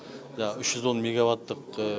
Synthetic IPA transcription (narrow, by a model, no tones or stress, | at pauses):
ʒʏʃʒ̥ʏzwo̞nmʲeɡavat̪ːəq